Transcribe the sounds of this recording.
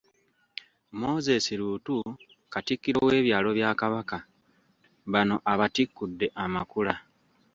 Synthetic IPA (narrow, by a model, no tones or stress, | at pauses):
mo̞ːze̞siɾuːtu | katikːiɾowe̞ːβjaːlo̞βjaːkaβaka | βano̞ʔaβatikːudːe̞ʔamakula